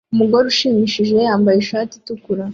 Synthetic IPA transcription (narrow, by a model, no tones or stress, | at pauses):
umuɡo̞ɾuʃiːmiʃiʒe̞jaːmbajeʃaːti̥tukuɾa